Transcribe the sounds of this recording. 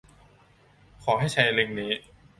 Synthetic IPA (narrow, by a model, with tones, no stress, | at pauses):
kʰɔː˩˦ɦa˥˩jt͡ɕʰa˧jli˧ŋniː˦˥